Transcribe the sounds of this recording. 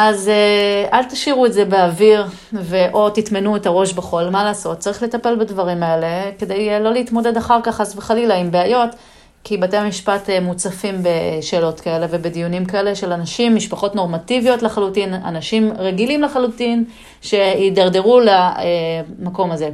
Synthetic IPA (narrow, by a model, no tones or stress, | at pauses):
ʔazeʔalt̪iʃiʁuetze̞beaviʁ | ve̞ʔo̞titmenuetaʁo̞ʃbeχo̞lmalaːso̞t̚t͡saʁiχle̞tape̞lbadvaʁimae̞le̞ke̞dejlo̞leitmo̞de̞daχaʁkaχasveχalilaimbeajo̞t | kibateamiʃpatemut͡safimbeʃe̞ːlo̞tkae̞le̞ve̞bedijunimkae̞le̞ʃe̞lanaʃimːiʃpaχo̞tno̞ʁmativijo̞tlaχalutina̰naʃimʁeɡilimlaχalutin | ʃe̞idaʁde̞ʁulaemako̞maze̞